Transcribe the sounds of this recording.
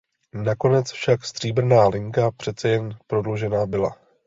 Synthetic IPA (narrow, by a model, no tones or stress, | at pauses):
nako̞nɛt͡sfʃakst̪r̝̥iːbr̩naːlɪŋkapr̝̥ɛt̪t͡sɛjɛnpɾo̞dloʒɛnaːbɪla̰